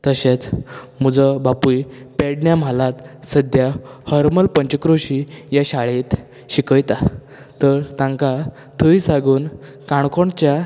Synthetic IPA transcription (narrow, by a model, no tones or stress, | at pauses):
t̪əɕet͡s | m̤ud͡zəbapujpɛɽɳjam̤alat̪səd̪jahəɾməlpəɲt͡ɕəkɾoɕijaɕaɭet̪ | ɕikəjt̪a | t̪əɾt̪ãŋka | t̪ʰəjsaɡuːn | kãɳkoɳt͡ɕja